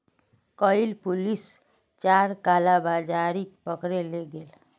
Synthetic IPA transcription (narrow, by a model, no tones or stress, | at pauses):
kəɪlpulis | t͡ʃaɾkalabad͡ʒaɾikpəkɾeleɡel